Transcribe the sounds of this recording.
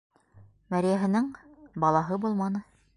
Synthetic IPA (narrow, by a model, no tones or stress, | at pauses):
mæɾjæɦɘ̆nɘŋbɑlˠɑɦɤbulˠmɑnɤ